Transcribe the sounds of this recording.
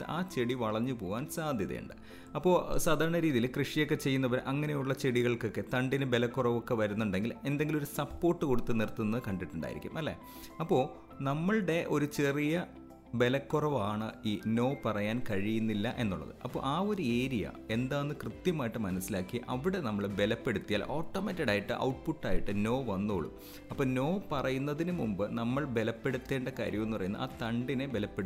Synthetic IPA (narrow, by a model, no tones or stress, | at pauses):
aːt͡ɕe̞ɽiʋɐɭɐɲːɨpo̞ːʋaːnsaːd̪ʱjɐðḛṵɳɖɨ | ɐpːo̞ːsaːd̪ʱaːɾɐɳɐɾiːðijilkrɨʂijo̞kːe̞t͡ɕe̞jːunːɐʋɐɾʔɐŋːɐne̞juɭːɐt͡ɕe̞ɽiɣɐɭko̞kːe̞t̪ɐɳɖinɨbe̞lɐkːurɐʋokːe̞ʋɐɾunːuɳɖe̞ŋɡile̞nd̪eŋɡilo̞ɾusɐpːo̞ːrʈːɨko̞ɽut̪ːɨnirt̪ːunːɐðɨkɐɳɖiʈːuɳɖa̰ːj̰iɾḭkʲːṵmʔɐlːḛ | ɐpːo̞ː | nɐmːɐɭɽe̞ʔo̞ɾut͡ɕe̞rijɐ | be̞lɐkːurɐʋaːɳɨiːno̞ːpɐrɐjaːnkɐɻijunːilːɐʔe̞̰nːuɭːɐ̰ðɨ̰ʔɐpːo̰ʔaːo̞ɾueːɾijɐ̰e̞nd̪aːnːɨkrɨt̪jɐmaːjiʈːɨmɐnɐsːilaːkːiʔɐʋiɽe̞nɐmːɐɭbe̞lɐpːe̞ɽut̪ːijaːlʔoːʈːoːmetːɐɽaːjiʈːɨ̰ʔɐ̰wʈ̚puʈːaːjiʈːɨno̞ːʋɐnːoːɭṵm | ɐpːoːno̞ːpɐrɐjunːɐðinumumbɨnɐmːɐɭbe̞lɐpːe̞ɽut̪ːe̞ːɳɖɐkaːɾjɐme̞nːupɐrɐjunːɐ̰a̰ːt̪ɐɳɖinɨbe̞lɐpːeɽ